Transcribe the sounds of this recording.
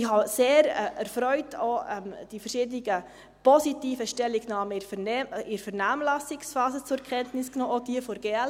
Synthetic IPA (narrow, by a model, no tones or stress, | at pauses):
ɪhɑseːɾɛɾfɾœʏtʰoɛmd̥ifəɾʃɪːdənɪɡə | pɔsitiːfəʃtɛlːiɡ̥nɑːmənɛʔɪɾfɛɾnaːmlɑsɪksfɑːzət͡sʊkʰɛntnɪsknoːodiəfɔɾɡ̥eɛl